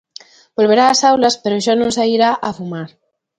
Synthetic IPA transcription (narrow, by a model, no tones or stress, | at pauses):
bolβ̞eɾaːsawlaspeɾoʒanõnsaiɾaʔafumaɾ